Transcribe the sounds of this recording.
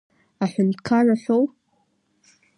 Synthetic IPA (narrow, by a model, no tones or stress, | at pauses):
aħʷᶣʊndkʰaraɬʷow